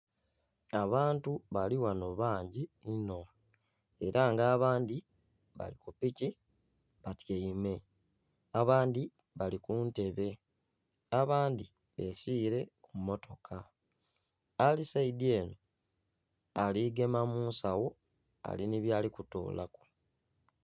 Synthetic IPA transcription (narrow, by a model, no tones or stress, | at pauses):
aβaːntuβaliwano̞βaːɲɟiːno̞ | e̞ɾaŋɡaːβaːndi | βa̰likupici | βatjeime̞ | aβaːndi | βalikuːnte̞βe̞ | aβaːndi | βe̞siːɾe̞kumːo̞to̞kʰa | alisaidie̞ːno̞ | aliɡe̞mamuːnsawo̞ | a̰liniβjaːlikuto̰ːlʔa̰ko̥